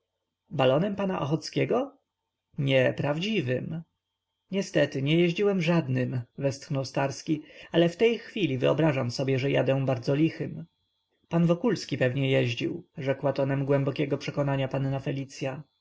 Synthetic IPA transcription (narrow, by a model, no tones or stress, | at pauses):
balɔnɛmpanaʔɔxɔt̪skʲɛɡɔ | ɲɛpɾavd͡ʑivɘm | ɲɛst̪ɛt̪ɘɲɛjɛʑd͡ʑiwɛmʐad̪nɘmvɛst̪xnɔwst̪aɾskʲialɛft̪ɛjxfʲilʲivɘɔ̰bɾaʐamsɔbʲjɛʐɛja̰d̪ɛ̃baɾd̪zɔlʲixɘm | panvɔkulskʲipɛvɲɛjɛʑd͡ʑḭwʐɛkwat̪ɔnɛmɡwɛmbɔkʲɛɡɔpʂɛkɔnaɲapanːafɛlʲit̪sʲja